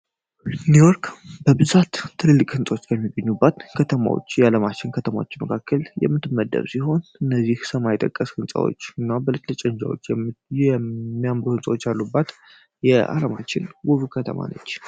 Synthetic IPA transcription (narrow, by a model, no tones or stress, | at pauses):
nujoɾkʼbəbɨzat̪ʰːɨlɨlːɨkʼhɨnsʼwot͡ʃːkʰəmːiɡəɲːubːat̪kʰət̪ʰəma̰wo̰t͡ʃːjɛaləmat͡ʃːɪnkʰət̪ʰəma̰wo̰t͡ʃːməkʰakʰːəljɛ̰mːɨt̪ːɨmːəd̪ːə̰βsiho̞nɨnːəzːihsəmajt̪ʼəkʼːəshɨnsʼa̰wo̰t͡ʃːɨnːabəlɨt͡ʃʼlɨt͡ʃʼənd͡ʒa̰wo̞t͡ʃːjɛmːijamɾuhɨnsʼəwot͡ʃːjalːubːat̪ | jɛʔa̰lamat͡ʃːɪnwuβkʰət̪ʰə̰ma̰nə̰t͡ʃː